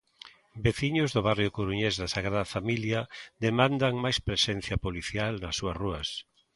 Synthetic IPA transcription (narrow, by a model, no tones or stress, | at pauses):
beθiɲʊzðʊβarjʊkoɾuɲezðɐsaɣɾaðɐfamiljad̪emãnd̪aŋmajspɾesen̟θjɐpoliθjalnɐsːuɐsruɐs